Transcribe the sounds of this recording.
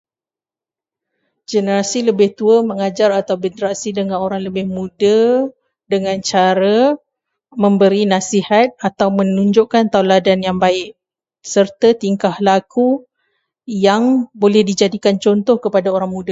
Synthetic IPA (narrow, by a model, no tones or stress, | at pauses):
d͡ʒənəɾasiləbɪht̪uəmə̃ŋad͡ʒaɾat̪awbəndɾasidəŋãnoɾaŋləbɪhmũdə | dəŋãnt͡ʃaɾa | mə̃mbəɾinasihat̪̚at̪awmə̃nuɲd͡ʒʊʔkant̪auladanjaŋbaɪʔ | sərt̪at̪iŋkahlaku | jaŋbolɛhdid͡ʒadikant͡ʃɔnt̪ɔhkəpadaoɾaŋmũda